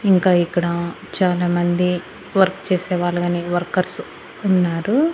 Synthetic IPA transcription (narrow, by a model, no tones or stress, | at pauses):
iŋkaːikːɐɽat͡ʃaːlaːmɐnd̪i | ʋɐɾkt͡ʃeːsɛːʋaːɭːɐɡɐːniʋɐɾkɐɾs | unːaːɾu